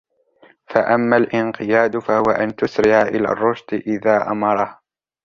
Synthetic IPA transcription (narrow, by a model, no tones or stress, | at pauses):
faʔamːalʔɪnqɨjaːd̪fahʊwaʔant̪ʊsɾɪʕaʔɪla̰ːrˤːʊʒd̪ʔɪðaːʔa̰mɑɾˤɑh